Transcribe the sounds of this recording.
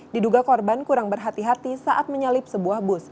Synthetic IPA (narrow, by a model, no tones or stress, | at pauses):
diduɡakɔrbankuɾaŋbərɦat̪iɦat̪isaʔat̪̚məɲalɪp̚səbuahbʊs